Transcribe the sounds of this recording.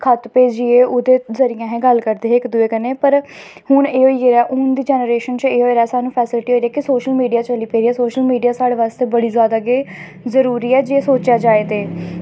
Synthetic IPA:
kʰət̪peːd͡ʒd͡ʒɪeːʔʊd̪eːzəɾɪjãːɦɛ̃ːɡəlkəɾd̪eːɦɪkd̪ʊeːkəneːpəɾ | hʊɳeːɦoːieːɾɛːʔʊnd̪iːd͡ʒɛːnəɾeːʃənt͡ʃeːɦoːeːɾɛːsaːnũːpʰɛːsɪlɪʈiɦoːiɾɛːkɪsoːʃəlmiːɖijaːt͡ʃəliːpeːɾiːɛːsoːʃəlmiːɖijaːsaːɽeːʋaːst̪eːbəɽiːzjaːd̪aːɡeː | zəɾuːɾiːɛːd͡ʒeːsoːt͡ʃjaːd͡ʒaːeːt̪eː

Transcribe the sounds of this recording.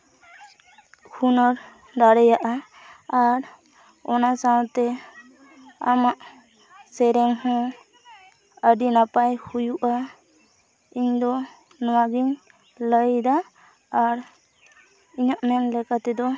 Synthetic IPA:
kʰunɔɾ | d̪aɽɛjaʔaː | ɾ | ɔnasaw̃t̪ɛ | amaʔ | sɛɾɛŋhɔ̃ | əɖinapajhujuʔa | iɲd̪ɔ | nɔwaɡiɲ | ləjd̪aː | ɾ | iɲaʔmɛnlɛkat̪ɛd̪ɔ

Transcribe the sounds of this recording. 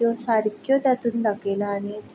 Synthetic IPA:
josaɾikjɔt̪at̪unlɐɡelaːni

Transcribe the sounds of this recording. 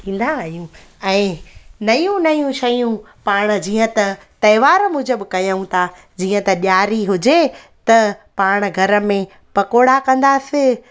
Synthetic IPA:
ĩːn̆d̪aaːɦjũɛ̃ːnɐjũnɐjũʃɐjũ | paːɽ̃̆d͡ʑiːə̃t̪ɐ | t̪ɐɪʋaːɾmʊ̃d͡ʑəbɪkɐjaũt̪ʰa | d͡ʑiːə̃t̪ɐɗjaːɾiɦʊd͡ʑe | t̪ɐpaːɽ̃̆ɡʱɐɾə̆mẽ | pɐkoːɽakɐ̃nd̪asɪ

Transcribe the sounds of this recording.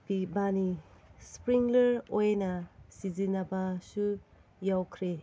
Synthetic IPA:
pibanispɾiŋleɾojnɐsizinɐbɐsu | jawkʰɾe

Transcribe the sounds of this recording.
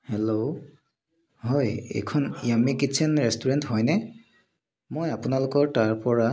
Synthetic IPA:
hɛlo | ɦɔjɛ̰jkʰɔnijamikisʰɛnɹɛstuɹɛntɦɔjnɛ | mojapunalʊkɔɹtaɹpɔɹa

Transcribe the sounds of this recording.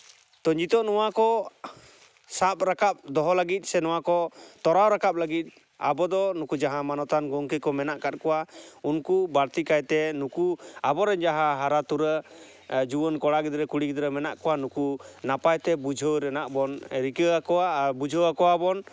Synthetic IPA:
t̪ɔɲd͡ʒit̪ɔʔnɔwakɔ | sap̚ɾakap̚d̪ɔɦɔləɡit̪̚ˀsɛnɔwakɔt̪ɔɾawɾakap̚ləɡit̪̚ | a̰bɔd̪ɔnukud͡ʒaɦãmanɔt̪anɡɔŋkəkɔmɛnaʔkat̪̚kɔwaunkubaɾt̪ikajt̪ɛnukuabɔɾɛnd͡ʒaɦãɦaɾat̪uɾə | d͡ʒubɔnkɔɽaɡɛd̪ɾɛkuɽiɡid̪ɾəmɛnaʔkɔwanukunapajt̪ɛbud͡ʒʱəwɾɛnaʔbɔnɾikəakɔabud͡ʒʱɔwakɔwabɔn

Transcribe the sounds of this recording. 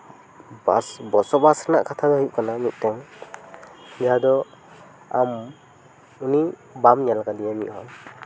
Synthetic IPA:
basbɔsɔbasana̰ʔkat̪ʰad̪ɔhujuʔ̚kananuʔ̚tɛŋ | d͡ʒad̪ɔ | a̰m | unibamɲalakad̪ijamiʔhɔŋ

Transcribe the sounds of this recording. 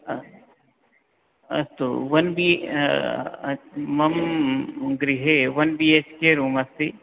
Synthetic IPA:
ɐ̰st̪o̰ʋɐnbi | mɐm | ɡɾiɦeʋɐnbiet͡ʃkeɾuːmɐst̪i

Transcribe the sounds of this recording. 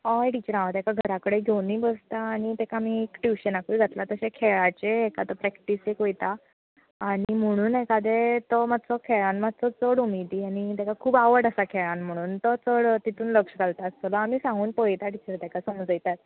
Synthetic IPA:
ɔeʈit͡ɕəɾãʋət̪ekaɡʱəɾakəɽeɡʱewniːbəd͡zt̪aːɽ̃it̪ekamiːkʈjuɕənakujɡʱat̪lat̪əɕekʰeɭat͡ɕeːkat̪ɔpɾɛkʈisekojt̪aː | ɽ̃im̤əɽ̃uːnekad̪et̪ɔmat͡sɔkʰeɭanmat̪t͡sɔt͡səɽumid̪iːañit̪ekakʰuːbaʋəɽəsakʰeɭãnm̤əɽ̃uːnt̪ɔt͡səɽt̪it̪ʰuːnləkʂɡalt̪aəst̪əlaamiːsãŋɡuːnpəjt̪aʈit͡ɕəɾt̪ɛkasəmd͡zəjt̪at̪̚

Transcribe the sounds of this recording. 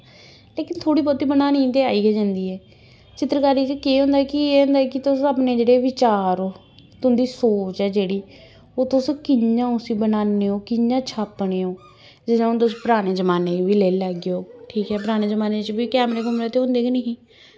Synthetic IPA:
leːkɪnt̪ʰoːɽiːpot̪iːbənaːnĩːt̪eːaːiːɡed͡ʒãːnd̪iːɛː | t͡ʃɪt̪ɾəkaːɾiːt͡ʃkeːɦʊ̃ːnd̪aɛkɪeːɦʊ̃nd̪aːɛkɪt̪ʊsaːpneːd͡ʒeːɽeːʋɪt͡ʃaːɾoː | t̪ːnd̪iːsoːt͡ʃɛːd͡ʒeːɽiː | oːt̪ʊskɪɲjãːʊsĩːbənaːneːoːkɪjãːt͡ʃʰaːpːɳeːoː | d͡ʒɪd̪ãnt̪ʊspəɾaːɽeːd͡ʒəmaːneːʋiːleːləɡeoːʈʰiːkɦɛːpəɾaːñeːzəmaːneːt͡ʃbiːkɛːmɾeːkʊmɾət̪eɦʊ̃nd̪eːkɪnəɦĩː

